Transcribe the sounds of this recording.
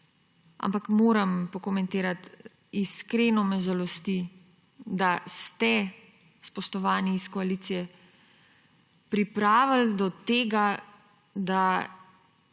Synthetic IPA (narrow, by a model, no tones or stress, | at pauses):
a̰mpakmoːɾampɔkɔmɛ̃nt̪eːɾat̪ | iskɾeːnɔmɛʒalɔst̪i | d̪ast̪ɛ | spɔʃt̪ɔʋaːniːskɔaliːt̪sijɛ | pɾipɾaːʋəld̪ɔt̪eːɡa | d̪a